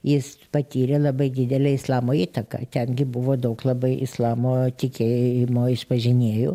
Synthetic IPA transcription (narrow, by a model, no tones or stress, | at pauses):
jɪspɐt̪ʲiːɾʲeːlˠɐbɐɪd̪ʲɪd̪ʲɛlʲɛɪslˠɑːmoːiːt̪ɐkɑ̰ːt̪ʲɛnɡʲɪbʊʋoːd̪ɐʊklˠɐbɐɪʔɪslˠɑːmoːt̪ʲɪkʲeːjjɪmoːɪʃpɐʒʲɪnʲeːjʊ̰